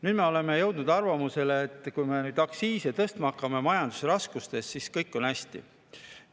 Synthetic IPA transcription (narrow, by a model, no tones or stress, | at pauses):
nyːd̪̥me̞o̞le̞me̞jɤwd̪nud̪̥ɑrvɑmuse̞leːt̪ˑːkujme̞nyːd̪ɑksiːset̪ɤst̪mɑkːˑɑme̞mɑjɑnd̪̥u̥seɾɑskust̪e̞sːiskɤjkːˑo̞næsʲt̪ḭ